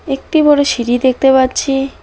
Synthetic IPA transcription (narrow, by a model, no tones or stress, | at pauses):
ek̚ʈibɔɽeʃiɾid̪ek̚ʰt̪epatːt͡ɕʰi